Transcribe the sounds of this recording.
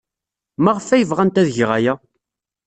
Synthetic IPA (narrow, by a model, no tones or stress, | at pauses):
maʁəfæjəvʁænt̪æðʝʁæjæ